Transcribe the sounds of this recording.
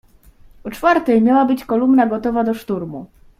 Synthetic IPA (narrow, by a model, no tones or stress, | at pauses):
ɔt͡ʂfaɾt̪ɛjmʲjawabɘt͡ɕkɔlumnaɡɔt̪ɔvad̪ɔʂt̪uɾmu